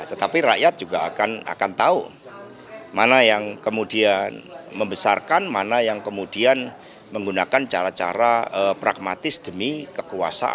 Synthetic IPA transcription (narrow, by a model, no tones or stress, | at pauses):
at̪ət̪apiɾa̰ʔjat̪̚d͡ʒ̥uɡaakana̰kant̪au | manajaŋkəmudianməmbəsarkanmanajaŋkəmud̥ian | məŋɡunakant͡ʃaɾat͡ʃa̰ɾaəpɾa̰ɡ̚mat̪ɪsd̪̥əmikəkua̰sa̰ʔ